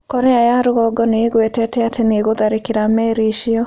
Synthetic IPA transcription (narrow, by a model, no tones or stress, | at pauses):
kɔɾɛajaɾoɣɔɡɔneːɣwɛtɛtɛateneɣoðaɾekɪɾamɛɾeʃiɔ